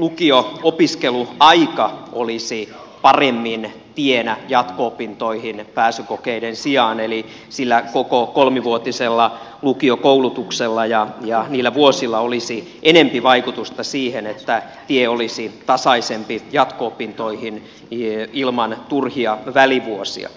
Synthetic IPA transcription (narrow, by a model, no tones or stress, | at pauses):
lukioopiskeluɑikɑʔolisipɑremːin | t̪ienæjɑt̪koopint̪oihinpæːsykokeidensiɑːneli | silːækokokolmiʋuot̪iselːɑ | lukiokoulut̪ukselːɑjɑjɑniːlːæʋuosilːɑolisi | ʔenempiʋɑikut̪ust̪ɑsiːhenet̪ːæ | t̪ieolisit̪ɑsɑisempijɑt̪koːpint̪oihin | ilmɑnt̪urhiɑʋæliʋuosḭɑ̰